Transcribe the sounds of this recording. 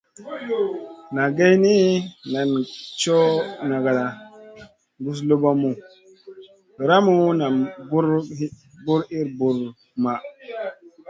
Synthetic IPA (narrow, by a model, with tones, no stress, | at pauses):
na˨ɡe˦jni˦na˨nt͡ʃo˦na˨ɡa˨la˨ | ŋɡu˦s̬lo˦ba˦mu˨ | ɾa˦mu˦na˨ɡu˦ɾ | ɡu˦ɾi˦ɾbu˨ɾ | ma˨